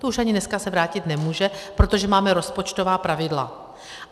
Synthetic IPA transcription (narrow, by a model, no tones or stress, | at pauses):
t̪ouʃaɲɪnɛskasɛvɾaːcɪt̪nɛmuːʒɛpɾo̞t̪o̞ʒɛmaːmɛɾo̞spo̞t͡ʃt̪o̞vaːpɾavɪdla̰